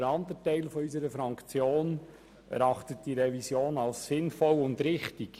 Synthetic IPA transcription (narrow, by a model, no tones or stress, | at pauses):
əɾɑnd̪ətɛɪlfɔysəɾəfɾɑŋkt͡sjoːn | ʔɛ̰ɾɑχtət̚d̥iɾɛvisjoːnɑlsːɪnfɔlʊndɾɪχtɪk